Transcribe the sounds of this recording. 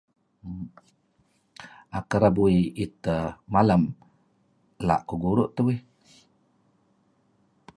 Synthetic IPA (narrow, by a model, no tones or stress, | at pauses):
akəɾabuiit̪əmalam | la̰ʔkuɡuɾuʔt̪əwih